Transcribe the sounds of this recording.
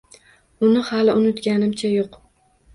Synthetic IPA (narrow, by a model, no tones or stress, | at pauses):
ʊnɪhalɪʊnɪt̪ɡʲanɪmt͡ʃʰajoq